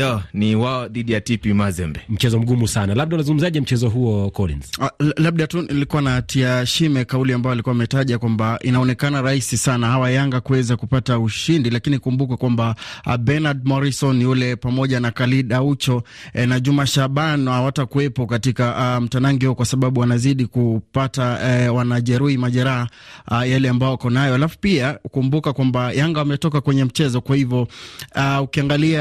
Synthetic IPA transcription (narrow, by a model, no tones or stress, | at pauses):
ɔniwaɔðiɗijatipimazɛmbɛm̩t͡ʃɛzɔm̩ɡumusanalab̚ɗaunazuŋɡum̩zaʄɛm̩t͡ʃɛzɔɦuɔkɔlḭnzlab̚ɗatunilikuwanatiaʃimɛkauliambajɔalikuamɛtaʄakwambaʔinaɔnɛkanaɾaisisanahawajaŋɡakuɛzakupatauʃindilakinikumbukɛkwambaɓɛnaɗmɔɾisɔnulɛpamɔʄanakaliɗaut͡ʃɔɛnaʄumaʃaɓanhawatakuɛpɔkatikam̩tanaŋɡihukwasaɓaɓuwanaziɗikupatawanaʄɛɾuhimaʄɛɾaɦa | jalɛambajɔakɔnajɔalafupiakumbukakwambajaŋɡawamɛtɔkakwɛɲɛm̩t͡ʃɛzɔkwahivjɔ | ukiaŋɡalia